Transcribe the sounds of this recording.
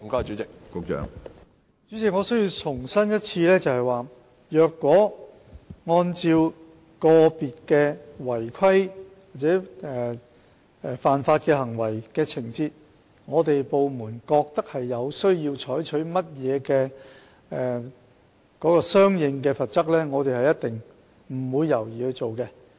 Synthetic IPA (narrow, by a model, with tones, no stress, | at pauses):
kɔ˥˨t͡ʃy˨˦˥t͡sɪ˨k̚kʊ˨˥kt͡ʃœ̰ː˨˧ŋ | t͡ʃyː˨˥t͡sɪ˨kŋɔː˨˧sɵ˥ɥjiː˧wt͡ʃʰʊ˨˩ŋsɐ˥njɐ˥t̚t͡sʰiː˧lɛː˥t͡sɐ˨whɐ˨jwaː˨˩ | jœː˨kːwɔː˨˥ | ŋɔː˧nt͡siː˧w | kɔː˧piː˨t̚kɛː˧wɐ˨˩jkʰɐ˥j | waː˨t̚t͡sɛː˨˥ɛː˨˩ | ɛ˨faː˨nfaː˧t̚kɛː˧hɐ˨˩ŋwɐ˨˩jkɛː˧t͡sʰɪ˨˩ŋt͡siː˧t̚ | ŋɔː˨˧t̪e˨jpo˨wmuː˨˩nkɔː˧k̚t̪ɐ˥k̚hɐ˨jːɐ˨˧wsɵ˥ɥjiː˧wt͡ʃʰɔː˨˥jt͡ʃʰɵ˨˥ɥmɐ˥t̚jɛː˨˧kɛː˧ | ɛː˨ | kɔː˨˥kɔː˧sœː˥ŋjɪ˧ŋkɛː˧fɐ˨t̚t͡sɐ˥k̚lɛː˥ŋɔː˨˧t̪e˨jhɐ˨jɐ˥t̪ɪ˨ŋ | m̩˨˩wuː˨˧jːɐ˨˩wjiː˨hɵ˧t͡so˨wkɛ˧